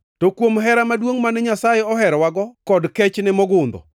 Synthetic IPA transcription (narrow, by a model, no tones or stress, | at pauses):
tokwomɦɛɾamadwoŋmanɛɲasajɛɔɦɛɾwaɡɔkɔdkɛt͡ʃnɛmɔɡʊnd̪ɔ̰